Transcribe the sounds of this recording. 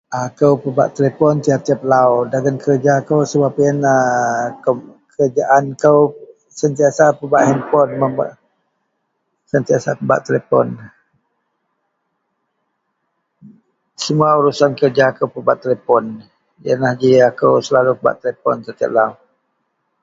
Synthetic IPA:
akəwpəba̰ʔt̪elepɔnt̪iat̪iəp̚lawdaɡənkəɾd͡ʒakəwsəbapjənahkəkəəd͡ʒaʔankəw | sənt̪iasapəbaʔhɛmpɔnməa̰ | sənt̪iasapəba̰ʔt̪elepɔ̰n | səmuauɾusankərd͡ʒaːkəwpəbaʔt̪ːelepɔn | jə̰nahd͡ʒiakəwsəlalupəba̰ʔt̪elepɔ̰nk̪ət̪iə̰p̚law

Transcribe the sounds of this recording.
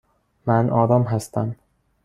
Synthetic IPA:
mænʔɒːɾɒːmɦæst̪ʰæm

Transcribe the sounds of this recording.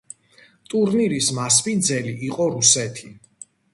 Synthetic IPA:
t̪ʼuɾniɾismaspind̪zɛliːqʼɔɾusɛt̪ʰi

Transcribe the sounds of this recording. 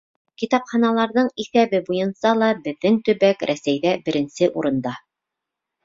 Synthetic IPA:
kit̪ɑpχɑnɑlˠɑɾðɤɴiθæβɘbujɤ̆nsɑlˠɑbɘ̆ðːɘŋt̪ɵ̆βækɾʔæsæjðæbɘ̆ɾɘ̆nsɘʔuɾɤ̆nd̪ɑ

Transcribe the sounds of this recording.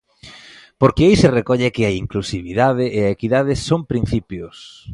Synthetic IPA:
poɾkɪejsɪrekɔʎekɪɐiŋklusiβiðað̞ɪʔːɐekiðað̞ɪsompɾin̟θipjʊs

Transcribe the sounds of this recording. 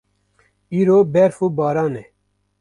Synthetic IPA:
iːɾoːbɛɾfuːbɑːɾɑːnɛ

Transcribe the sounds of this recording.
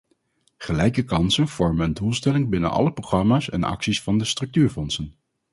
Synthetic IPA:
χəlɛjkəkɑnsənv̥ɔɹmənəndulˠstɛlɪŋbɪnə̰nʔɑ̰ləprowχrɑmaːsɛ̰nɑ̰ksisfɑndəstrɵk̚tyːɹfɔnsən

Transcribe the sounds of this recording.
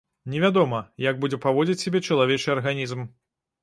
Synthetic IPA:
nʲɛvʲad̪ɔmɐjɐɡ̚bud͡zʲɛpavɔd͡zʲit͡sʲsʲabʲɛt͡ʂɐlˠavʲet͡ʂɨjɐrɣanʲizm

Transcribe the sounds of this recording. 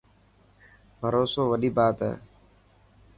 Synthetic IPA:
bʱəɾoːsoːʋəɗiːbaːt̪ɦɛ̰ː

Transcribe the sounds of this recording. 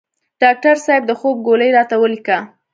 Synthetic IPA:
ɖ̥ɑk̚ʈaɾsɑjb̚d̪əxob̚ɡoləjɾɑt̪awəlika

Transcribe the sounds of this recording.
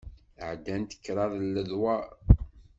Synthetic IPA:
ʕd̪ænt̪ə̥kːɾˤɑðˤlːəðwæ

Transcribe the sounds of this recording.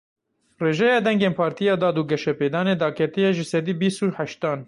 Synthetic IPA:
reːʒɛjɑːd̪ɛŋɡeːnpʰɑːɾt̪ijɑːd̪ɑːd̪uːɡɛʃɛpeːd̪ɑːneːd̪ɑːkʰɛt̪ijeʒɨsɛd̪iːbiːst̪uːħɛʃt̪ɑːn

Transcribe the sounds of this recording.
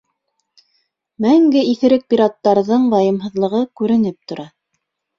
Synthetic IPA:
mæŋɡɘiθɘ̆ɾɘk̚pʲiɾɑt̪ːɑɾðɤɴb̪ɑjɤ̆mɦɤ̆ðlˠɤ̆ʁɤkʉɾɘ̆nɘp̚t̪ŏɾɑ

